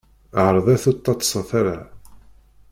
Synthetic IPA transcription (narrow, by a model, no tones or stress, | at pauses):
ʕəɾˤðˤæθut̪ˤːɑt̪ːˤə̥sˤəθaɾa